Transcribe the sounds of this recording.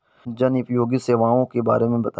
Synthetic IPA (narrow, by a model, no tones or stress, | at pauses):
d͡ʒənɪpjoːɡiseːʋaːõkeba̰ːɾemẽbɐt̪ː